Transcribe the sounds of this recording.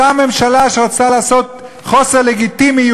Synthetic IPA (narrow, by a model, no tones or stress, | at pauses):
ame̞mʃalaʃeʁot͡salaːso̞t̪̚ | χo̞seʁleɡit̪imi